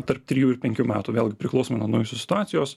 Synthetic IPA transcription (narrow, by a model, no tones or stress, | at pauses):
t̪ɐɾp̚t̪ʲɾʲɪjuːɪɾpʲɛŋʲkʲuːmʲæːt̪uːʋʲeːlˠɡʲɪpʲɾʲɪklˠɐʊsʲomɪnɐnɐʊjosʲʊsʲɪ̥t̪ʊɑːt̪sʲɪjoːs